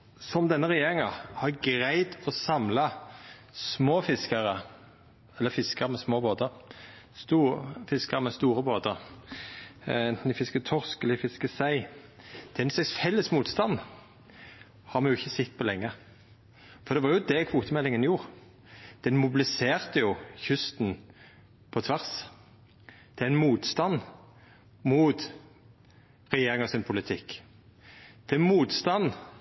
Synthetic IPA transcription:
sɔmd̪ɛnːəʁɛjeːɾɪŋɑhɑɡɾæɪd̪ɔsɑmlɑ | smoːfɪskəʁə | ɛlːəfɪskəɾmɛsmoːboːd̪əɾ | st̪uːfɪskəʁmɛst̪uːʁəboːd̪əɾ | ɛnt̪n̩d̪ɪfɪskət̪ʰɔʁskləɪfɪskəsæɪd̪ʰɛɛnslɛsfɛlːəsmuːt̪st̪ɑn | hɑɾmɛnjʊɪçːəsɛt̪ːpʰɔlɛŋːə | fɔɾd̪ɛʋɑɾjʊd̪ɛkʰʋuːt̪əmɛlːɪŋənjuːʁ | d̪̥ɛnmʊbɪlɪseːʁt̪əjʊçʏst̪n | pʰɔt̪ʰʋæʁs | d̪̥ɛɪnmuːt̪st̪ɑnː | muːt̪ | ʁɛjeːʁɪŋɔsɪnpʰʊlɪt̪ʰɪkː | d̪̥ɛnmuːt̪st̪ɑnː

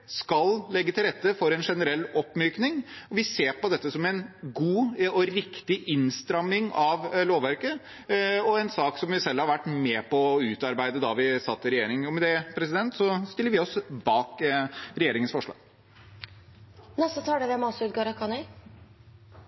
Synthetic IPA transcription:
skɑllɛɡːət̪ʰɪlɾɛt̪ːəfɔɾɛnʂɛnəɾɛlːɔpːmyːknɪŋɔʋɪseːpɔd̪ɛt̪ːəsɔmɛnɡuːɔɾɪkt̪ɪʔɪnst̪ɾɑmːɪŋɑʋloːʋæɾkə | ɔɛnsɑːksɔmʋɪsɛlːhɑɾʋæʈːmɛpʰɔʉːt̪ɑɾbæɪd̪əd̪ɑʋɪsɑt̪ʰːɪɾɛjeːɾɪŋɔmɛd̪ɛpʰɾɛsɪd̪ɛnt̪sɔst̪ɪlːəɾʋɪɔsbɑːkɾɛjeːɾɪŋənsfɔʂɭɑ̰ːɡ̥ | nɛsɔt̪ʰɑːɖɛʋɛmɑsɔʉːt̪̚ɡɑːɾəkʰɑnɛ

